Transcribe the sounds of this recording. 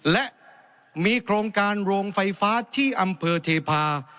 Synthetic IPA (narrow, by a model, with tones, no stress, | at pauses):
lɛ˦˥ʔ | miː˧kʰɾoː˧ŋkaː˧nɾoː˧ŋfa˧jfaː˦˥t̪ʰiː˥˩ʔa˧mpʰɤː˧t̪ʰeː˧pʰaː˧